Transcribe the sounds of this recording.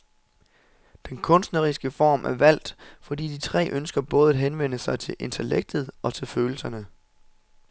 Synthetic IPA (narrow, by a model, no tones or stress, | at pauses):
d̥enkʰɔ̽nsd̥nəʁisɡ̥əfɒ̰ːmʔæɐʋæl̰d̥fɒ̽d̥ḭːd̥it͡sʰʁɛ̰ːʔønsɡ̥ɐb̥ɔ̽ːð̩ˠɦenʋen̰əsɑ̈ɪt͡sʰe̝lʔe̝nt͡sʰeleɡ̥̚d̥ð̩ˠɒ̽t͡sʰe̝lføːl̩sɐnə